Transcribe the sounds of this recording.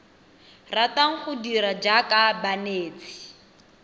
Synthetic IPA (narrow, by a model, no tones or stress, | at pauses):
rataŋ̩χʊdiɾad͡ʒakabaneːt͡si̥